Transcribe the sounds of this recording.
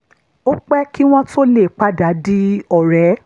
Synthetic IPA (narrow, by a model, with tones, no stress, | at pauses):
o˦k͡pɛ˦ki˦w̃ɔ̃˦to˦le˦˨k͡pa˦da˨˦di˦ɔ˦˨ɾɛ˨˦